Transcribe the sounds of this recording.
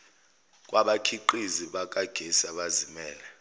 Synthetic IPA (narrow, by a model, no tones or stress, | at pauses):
kʼwʔaɓakʰiǃiziɓak̬ʼaɡ̥ʱesaɓazimɛːlɛ